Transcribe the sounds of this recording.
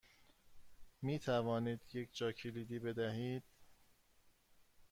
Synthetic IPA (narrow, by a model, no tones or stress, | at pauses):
miːt̪ʰævɒːniːd̪je̞cʰd͡ʒɒːcʰeliːd̪iːbe̞d̪æɦiːd̪̥̚